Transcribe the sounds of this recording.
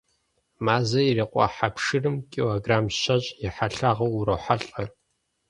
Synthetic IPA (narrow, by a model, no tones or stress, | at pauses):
maːzɐjɪreːqʷʼɑ̰ħapʂɨrɨmkʼiloɡraːmɕɐɕʼjɪħaɬaːʁɐwuɾɐħaɬʼɐ